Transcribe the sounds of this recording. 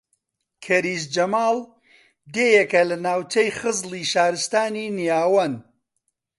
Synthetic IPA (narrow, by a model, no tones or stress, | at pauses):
kʰɐɾiːsd͡ʒɐmaːl | d̪eːjekɐlɐnaːwt͡ʃɐjχɨzlˠiːʃaːɾɨst̪aːninijaːwɐn